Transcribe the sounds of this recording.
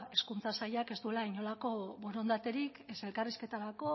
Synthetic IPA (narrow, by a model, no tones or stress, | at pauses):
e̞skunt͡sasajake̞zd̪ue̞laiɲo̞lako̞βo̞ɾo̞nd̪at̪e̞ɾikese̞lkariske̞t̪aɾako̞